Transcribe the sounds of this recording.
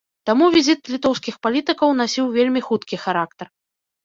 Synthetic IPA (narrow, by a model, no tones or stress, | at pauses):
t̪amuvʲizʲit̪̚lʲit̪ɔwskʲixpalʲit̪ɨkɐwnasʲiwvʲelʲmʲixut̪kʲixaɾak̚t̪ɐr